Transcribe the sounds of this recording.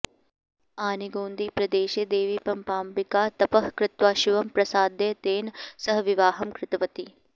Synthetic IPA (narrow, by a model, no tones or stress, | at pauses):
aːniɡoːnd̪iːpɾɐd̪eːʃeːd̪eːʋiːpɐmpaːmpikaːt̪ɐpɐɦkɾɪt̪ʋaːʃiʋɐmpɾɐsaːd̪eːt̪eːnsɐɦɐʋiʋaːɦɐmkɾɪt̪ɐʋɐt̪i